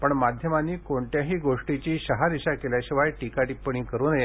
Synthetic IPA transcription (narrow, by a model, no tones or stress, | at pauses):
pəɳmad̪ʱjəmanːiːkoɳʈjaɦiːɡoʂʈit͡ɕiːɕəɦaniɕakeljaɕiʋajʈikaʈipəɳ̃iːkəɾunəje